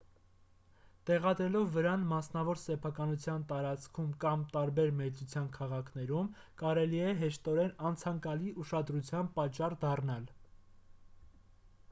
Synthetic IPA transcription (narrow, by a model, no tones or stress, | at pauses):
t̪ɛʁɑd̪ɾɛlɔvːəɾɑnmɑsnɑvɔɾsɛpʰɑkɑnut͡sʰjɑnt̪ɑɾɑt͡skʰumkɑmt̪ɑɾbɛɾmɛt͡sut͡sʰjɑnkʰɑʁɑkʰnɛɾum | kɑɾɛliɛɦɛʃt̪ɔɾɛnɑnt͡sʰɑŋkɑliʔuʃɑd̪ɾut͡sʰjɑnpɑt͡ʃːɑrd̪ɑrnɑl